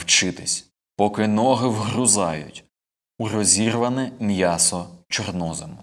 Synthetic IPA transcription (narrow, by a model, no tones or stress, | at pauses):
wt͡ʃɪt̪ɪsʲ | pɔkɪnɔɦɪwɦɾʊzɑjʊ̰tʲ | uɾɔzʲirʋɐnɪmjasɔt͡ʃɔrnɔzɐmʊ